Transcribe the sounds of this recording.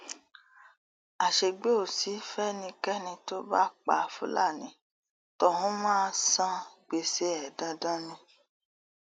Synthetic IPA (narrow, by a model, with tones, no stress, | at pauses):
a˨ʃe˧ɡ͡be˦o˦˨si˨˦fɛ˦nĩ˧kɛ˦nĩ˧to˦ba˦k͡pa˧˨fṵ˨˦la̰˦˨nĩ˨˦ | tɔ˧hũ˦mãː˦˧sã˦ɡ͡be˧se˦ɛ˨dã˧dã˦nĩ˧